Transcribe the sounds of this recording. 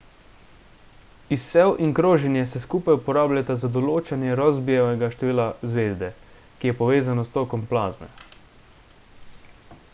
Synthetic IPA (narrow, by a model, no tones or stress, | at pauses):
isːɛwʔiŋkɾoːʒɛnjɛsɛskuːpajupɔɾaːblʎat̪azad̪ɔloːt͡ʃanjɛɾazbijɛʋɛɡaʃt̪ɛʋiːlazʋeːzd̪ɛ | kijɛpɔʋeːzanɔst̪oːkɔmplaːzmɛ̰